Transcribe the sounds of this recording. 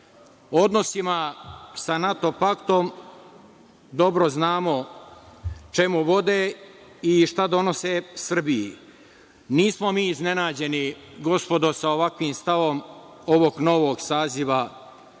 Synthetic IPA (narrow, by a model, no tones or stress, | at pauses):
o̞d̪no̞simasanat̪o̞pakt̪o̞m | d̪o̞bɾoznaːmo̞ | t͡ʃe̞muʋo̞d̪eː | iʃt̪ad̪o̞no̞sesr̩biji | niːsmo̞miːzne̞naːd͡ʑe̞ni | ɡo̞spo̞d̪o̞saoʋakʋiːmst̪aʋo̞m | o̞ʋo̞ɡno̞ʋoɡsaːziʋa